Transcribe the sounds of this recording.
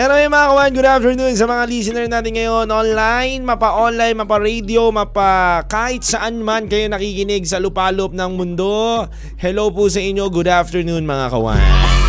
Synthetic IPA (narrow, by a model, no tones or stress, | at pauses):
mɛɾomɐjɐmɐŋakɐwanɡʊd̪aft̪ɛɹnuns̬ɐmɐŋalisɪnɛɹnaːt̪ɪnŋɐjo̞nʔonlajnmɐpɐʔonlajnmɐpɐɾed̪io̞mɐpɐkaːhɪt̪̚sɐʔanmankɐjonɐkikɪnɪɡsɐlʊpaːloop̚nɐŋmʊnd̪o̞ | hɛlo̞wpus̬ɐʔɪɲːo̞ɡʊd̪aft̪ɛɹnunmɐŋa̰kɐ̰wa̰n